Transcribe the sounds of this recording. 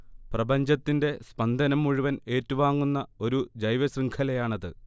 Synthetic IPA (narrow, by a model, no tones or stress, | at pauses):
prɐbɐɲd͡ʑɐt̪ːinde̞spɐnd̪ʱɐnɐmːuɻuʋɐne̞ːtːuʋaːŋːunːɐo̞ɾud͡ʑɐjʋɐsriŋkʰɐlɐjaːɳɐðɨ